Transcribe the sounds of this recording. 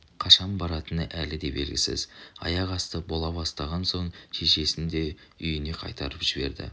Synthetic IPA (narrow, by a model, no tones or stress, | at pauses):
qʰɑʃɑmbɑɾɑt̪ənəʔælɪd̪e̞be̞lɡʲɪsɪ̰zɑ̰jɑʁɑst̪əbo̞lˠɑβɑst̪ɑʁɑnso̞ɴʒʰeʃe̞sɪnd̪e̞ | ʏjɪne̞qʰɑ̰jt̪ɑɾəpʒ̥ɪbe̞̰ɾd̪ɪ̰